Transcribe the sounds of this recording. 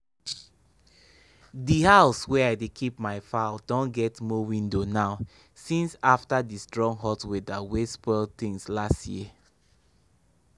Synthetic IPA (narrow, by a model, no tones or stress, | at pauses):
dihaʊswɛaɪdekʰipmaɪfaldɔ̃nɡɛtmɔwĩndonaʊ | sĩnsaftadistɹɔ̃ŋɦɔtwedawespɔlt̪ĩŋslastjḭə